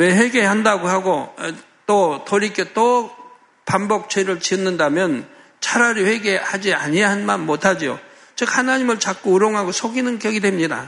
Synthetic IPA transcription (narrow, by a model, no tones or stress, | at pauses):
we̞ɸwe̞ɡehandaɡohaɡo | t͈otoɾik͈et͈o | pambʌk̚t͡ɕeɾɯɭt͡ɕiʌnːɯndamjʌn | t͡ɕʰaɾaɾiɸwe̞ɡe̞had͡ʑiaɲiaɦanmanmotʰad͡ʑio | t͡ɕɯk̚hanaɲimɯɭt͡ɕak̚k͈ouɾoŋɦaɡosʰoɡinɯnkjʌɡidwe̞mɲida̰